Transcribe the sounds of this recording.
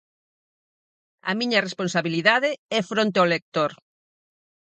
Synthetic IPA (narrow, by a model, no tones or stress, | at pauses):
ɐ̰miɲɐrespõnsaβiliðaðɪɛfɾõnt̪̬eolek̚t̪oɾ